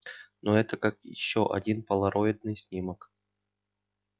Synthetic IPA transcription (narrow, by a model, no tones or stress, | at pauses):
noɛt̪əkakjɪ̰ɕːoʔɐ̰dʲinpəlˠɐɾoɪd̪̚nɨjsʲnʲimək